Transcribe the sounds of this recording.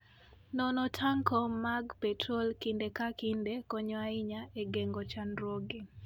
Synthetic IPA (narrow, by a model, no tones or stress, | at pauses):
nɔnɔtʰaŋkʰɔmaɡpɛtʰɾɔlkindekakindekɔɲɔaɪɲaeɡeŋɡɔt͡ʃanɾoɡi